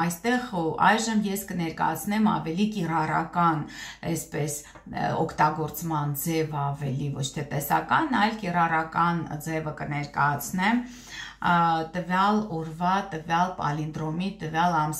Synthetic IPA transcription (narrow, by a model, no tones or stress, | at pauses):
ɑjst̪ɛʁɑ̰jʒəmjɛskənɛɾkɑ̰jɑt͡sʰnɛmɑ̰vɛlikirɑrɑ̰kɑnɛspɛs | ɔkʰt̪ɑɡɔɾt͡smɑnd͡zɛvɑvɛlivɔt͡ʃʰt̪ʰɛt̪ɛsɑ̰kɑnɑjlkirɑrɑkɑnd͡zɛvəkənɛɾkɑjɑt͡sʰnɛm | t̪əvjɑlɔɾvɑt̪əvjɑlpɑ̰lind̪ɾɔmit̪əvjɑlɑm